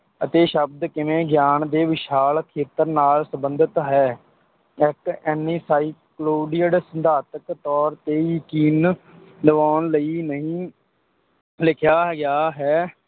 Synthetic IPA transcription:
ət̪eːʃəb̚d̪kɪmẽːɡjaːnd̪eːʋɪʃaːlkʰeːt̪əɾnaːlsəmbənd̪ɪt̪ɦɛː | ɪkɛːniːsaːiːkloːɖɪjəɽsənd̪ʱaːt̪əkt̪ɔːɾt̪eːjəkiːn | d̪əʋaːnləiːnəɦĩː | lɪkʰjaːɡɪjaːɦɛː

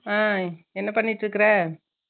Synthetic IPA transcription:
aːɛnːɐpɐɳːɪʈːɾɯkːɐɾɛ

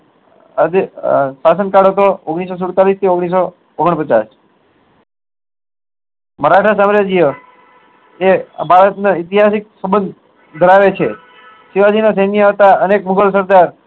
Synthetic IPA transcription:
əd̪sasənkaɽɦət̪ooɡɽ̃is̬os̬ʊɽt̪alist̪ʰioɡɽ̃is̬o | oɡəɳpət͡ʃas | məɾaʈʰasamɾəd͡ʒijə | ebʱaɾət̪nait̪iɦasik̚səbənd̪ | d̪ʱəɾaʋet͡ʃʰe | siʋad͡ʒinas̬enijət̪aənekmuɡəlsəɾd̪aɾ

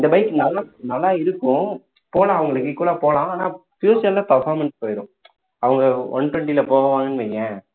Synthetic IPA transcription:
ɪnd̪ɐbɐɪkːɯnɐlːaːnɐlːaːɪɾɯkːʊ̃ | poːlãːɐʋɐŋɡɐɭɯkːɪkːuːlaːpoːlãːaːnãːfjuːsɐllaːpɐɾfaːɾmɛnspoːjɪɾʊ̃ | ɐʋɐŋɡɐɔ̰ɳʈɛɳʈilɐpoːʋɐʋaːŋɡɐnʋɛːŋɡɛ̃ː

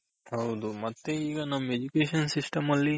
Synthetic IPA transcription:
hɐwd̪umɐt̪ːeiːɡɐnɐmːed͡ʒukeːʃɐnsisʈɐmɐlːi

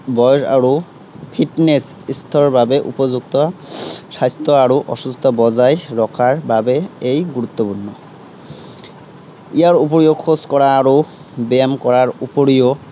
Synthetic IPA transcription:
bɔjɹa̰ɹu | pʰitnesist̪ʰɔɹbabeʔṵpɔzuk̚t̪ɔsajst̪ɔaɹuʔɔʃust̪ʰɔbɔzajɹɔkʰaɹbabeejɡuɾut̪ːɔpunːɔ | ijaɹup̬oɹijokʰoskɔɹaːɹu | bɛamkɔɹaɹupoɹijo

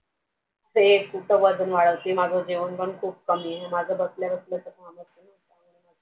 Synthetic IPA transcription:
t̪ekuʈəʋəd͡zʱənʋaɭəʋt̪imad͡zʱəd͡ʑeʋənpəɳkʰuːp̚kəmiːɦemad͡zʱəbəsljabəslət͡səkamət̪enat̪a | ma

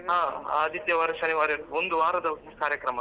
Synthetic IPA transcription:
aaːd̪ʱit̪jɐʋɐɾɐʃɐniʋaːɾond̪uʋaːɾɐd̪ɐikaːɾjɐkɾɐmɐ

